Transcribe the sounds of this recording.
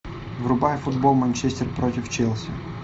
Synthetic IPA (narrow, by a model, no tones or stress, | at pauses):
vɾʊbajfʊd̪̚bolˠmɐnʲt͡ʃɛsʲt̪ʲɪrpɾɔtʲɪft͡ʃɛlˠsʲɪ